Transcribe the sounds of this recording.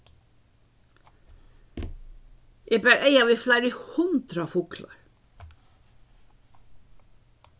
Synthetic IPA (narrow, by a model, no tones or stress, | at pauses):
eːbæːɾʔeɪɑʋiːflæɪɾəhʊnd̪ɾɑfʊkʰlɑ̰ɹ